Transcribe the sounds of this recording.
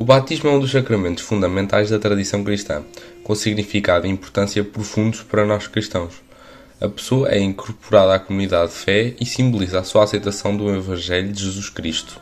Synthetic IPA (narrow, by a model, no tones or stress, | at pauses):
uβat̪iʒmuɛũd̪uʃsɐkɾɐmẽnt̪u̥ʃfũnd̪ɐmẽnt̪ajʒðɐt̪ɾɐðisɐ̃w̃kɾiʃt̪ɐ̰̃kõsiɣnifikaðɐĩmpuɾt̪ɐ̃sjɐpɾufũnd̪uʃpɐɾɐnɔʃkɾiʃt̪ɐ̃w̃ʃ | ɐ̰pɨ̥soɐʔɛĩŋkuɾpuɾaðakumuniðaðfɛisĩmbulˠizasuasɐjt̪ɐsɐ̃w̃d̪ũivɐ̃ʒɛʎuðɨʒɨzuʃkɾiʃt̪u̥